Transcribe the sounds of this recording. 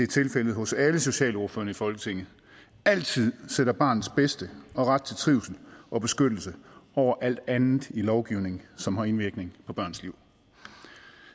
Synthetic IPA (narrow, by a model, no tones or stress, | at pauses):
de̝æɐt͡sʰe̝lfelð̞̩ˠɦɔ̽sæləso̝ɕɛ̰ːlo̝ɐføɐnəifɒ̽lɡ̥ə̥t͡sʰeŋ̰ð̩ˠ | æl̰t͡sʰið̞̰ˠseɾ̥ɐb̥ɑ̈ːnð̩ˠsb̥esd̥əɒ̽ʁad̥̚t͡sʰe̝lt͡sʰʁiʊsn̩ʔɒ̽b̥e̝sɡ̥ød̥l̩səɒʊ̰ɐʔæl̰d̥ænð̩ˠilɒʊɡ̥iʊ̰ne̝ŋ̩sɒ̽mɦɑ̈e̝nʋiɐɡ̥ne̝ŋpʰɒ̽b̥ɶɐ̰nsliʊ̰